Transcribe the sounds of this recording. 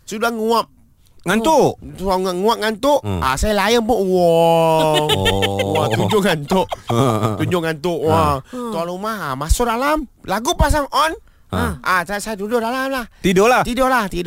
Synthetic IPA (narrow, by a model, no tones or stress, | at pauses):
sudahŋuap̚ | ŋant̪uŋŋuap̚ŋant̪ʊʔa̰sajalajənpʊʔwɔ | wat̪uɲd͡ʒʊʔŋant̪ʊʔ̪ | uɲd͡ʒʊʔŋant̪ʊʔwat̪aɾumaamasʊdalamlaɡupas̬aŋʔɔn | aasaasajad̪udʊʔdalamlaht̪idolat̪idɔʔlaht̪id